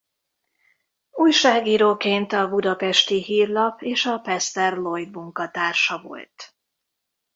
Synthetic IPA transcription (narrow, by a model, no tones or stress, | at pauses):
uːjʃaːɡiːɾoːkeːnt̪ɒbud̪ɒpɛʃt̪iɦiːrlɒpʰeːʃɒpɛst̪ɛrlo̞jd̪muŋkɒt̪aːrʃɒvo̞̰lt̪